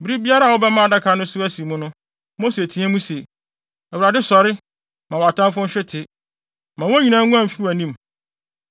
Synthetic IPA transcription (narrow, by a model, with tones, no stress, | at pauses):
bi˦ɾi˦bi˦a˦ɾa˦˨wʊ˦bɛ˦mã˦a˨da˦kʰa˨˦nʊ̃˦sʊ˦æ˦si˨mʊ̃˦nʊ̃˦ | mo˦se˨tʰĩ˦æ̃˦mũ˦se˨ | æ˨u˨ɾa˨dɪ˦sɔ˨ɾɪ˦ | mã˨wa˨tʰã˦mfʊ̃˦n̩˦ɕᶣɪ˦tʰɪ˨ | mã˨wɔ̃˦ɲĩ˨nãː˨˦ŋ˦ɡʊ̃˦ã˦˨m̩˨fi˦˨æ˨nĩ˦m